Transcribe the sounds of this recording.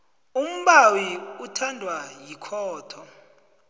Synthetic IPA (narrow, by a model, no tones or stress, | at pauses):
um̩ɓawiutʰandʱwajikʰɔːtʰɔ